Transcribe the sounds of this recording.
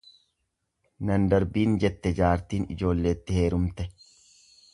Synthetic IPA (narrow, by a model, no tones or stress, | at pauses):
nɐnd̪ɐɾbiːnd͡ʒɛt̪ːɛd͡ʒaːɾt̪iːnɪ̰d͡ʒo̞ːlːe̞ːt̪ːɪhe̞ːɾʊmt̪ɛ